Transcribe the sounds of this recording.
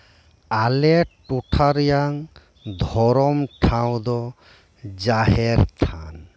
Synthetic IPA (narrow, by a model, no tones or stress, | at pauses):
alɛʈuʈʰaɾjaŋ | d̪ʱɔɾɔmʈʰaw̃d̪ɔ | d͡ʒaɦɛɾt̪ʰan